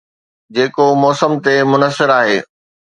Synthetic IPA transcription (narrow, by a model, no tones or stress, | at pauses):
d͡ʑeːkomɔːsəmt̪emʊnəsːɪɾaːɦeː